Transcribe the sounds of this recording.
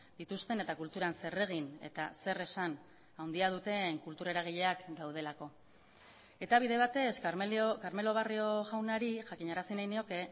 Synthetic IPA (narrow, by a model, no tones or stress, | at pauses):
d̪̥it̪ust̪e̞ne̞t̪akult̪uɾanse̞re̞ɣ̞ine̞̰t̪a̰se̞re̞san | awnd̪iað̞ut̪e̞ŋkult̪uɾeɾaɣ̞iʎe̞akd̪awð̞e̞lako̞ | e̞t̪aβiðe̞β̞at̪e̞skaɾme̞lo̞β̞ario̞ʝawnaɾiʝakiɲaɾasinajnio̞ke̞